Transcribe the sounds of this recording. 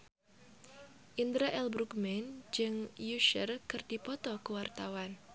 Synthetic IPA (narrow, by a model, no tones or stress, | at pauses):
ʔind̪ɾaʔɛlbɾukmɛnd͡ʒɨŋjuʃərkɨrdipɔt̪ɔkuwart̪awan